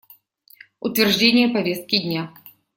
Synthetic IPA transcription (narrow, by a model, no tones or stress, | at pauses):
ʊt̪vʲɪrʐdʲenʲɪjəpɐvʲe̞st̪̚kʲɪdʲnʲa